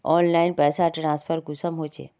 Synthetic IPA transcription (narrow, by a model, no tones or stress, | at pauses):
ɔːnlaːɪnpɛːsaʈɾãːspʰəɾɡʊsəmɦoːt͡ʃḛː